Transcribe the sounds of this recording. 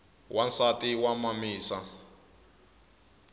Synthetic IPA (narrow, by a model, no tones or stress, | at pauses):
wansatʼiwamamiːsa